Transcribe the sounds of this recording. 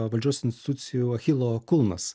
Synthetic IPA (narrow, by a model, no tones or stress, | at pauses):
ʋɐlʲd͡ʒʲoɔsʲɪnʲsʲt̪ʲt̪ut̪ʲsʲɪjuɐxʲilˠɔkʊlˠmɐ̰s